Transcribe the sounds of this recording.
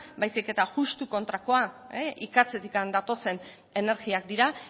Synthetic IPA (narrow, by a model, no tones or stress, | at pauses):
bajsike̞t̪aʝust̪uko̞nt̪ɾako̞aeʔikat͡se̞t̪ikand̪at̪o̞se̞n | e̞ne̞ɾɣiak̚d̪iɾa